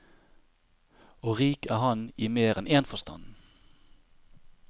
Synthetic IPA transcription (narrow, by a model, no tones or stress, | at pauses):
oːʁiːkæːhɑniːmeːʁɛneːnfɔst̪ʰɑ̰n